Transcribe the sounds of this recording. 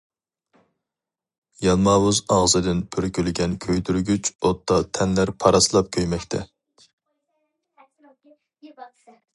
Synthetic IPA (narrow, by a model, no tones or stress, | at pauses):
jɑlˠmɑːwuzɑʁzɨd̪ɪnpʰøɾkʲylɡʲɛnkʲʰøjt̪yɾɡʲyt͡ʃot̪ʰːɑt̪ʰɛnlæɾpʰɑɾɑslˠɑp̚kʲʰøjmɛkʲt̪ʰɛ̰